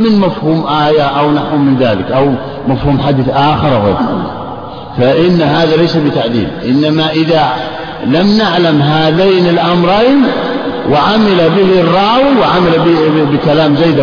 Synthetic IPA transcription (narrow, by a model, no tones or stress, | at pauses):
mɪnmafhuːmʔaːjaʔawnaħʊmɪnðaːlɪkʔaw | mafhuːmħad̪iθʔaːxɪɾˤʔaɣḛːɾ | faʔɪnːhaːðalajsabɪt̪aʕd̪ḭːlʔɪnːamaʔɪða | lamnaʕlamɦaːðaːnɪlʔamɾˤɑjnwɪʕamɪlabɪhɪrˤːɑːwiwɪʕamalabbɪkalaːmzajːd̪a